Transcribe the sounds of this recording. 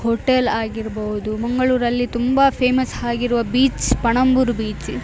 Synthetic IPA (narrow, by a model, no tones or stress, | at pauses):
hoʈelaːɡiɾɐbɐʋud̪umɐŋɡɐɭuːɾɐlːit̪umbɐpʰeːmɐsɦaːɡiɾuʋɐbiːt͡ʃpɐɳɐmbuɾbiːt͡ʃ